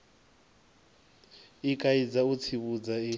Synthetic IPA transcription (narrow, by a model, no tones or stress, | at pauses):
ikʼaid͡zaut͡sʰiβud͡zai